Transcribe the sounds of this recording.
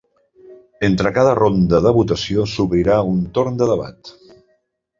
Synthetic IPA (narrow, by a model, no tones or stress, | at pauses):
ent̪ɾəkaðərond̪əðəβut̪əsiosuβɾiɾaunt̪oɾnd̪əðəβa̰t̪